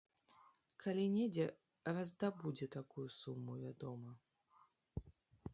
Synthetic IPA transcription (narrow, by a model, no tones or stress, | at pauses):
kʰalʲinʲed͡zʲɛ | rɐzd̪abud͡zʲɛt̪akujusumːuvʲad̪ɔmɐ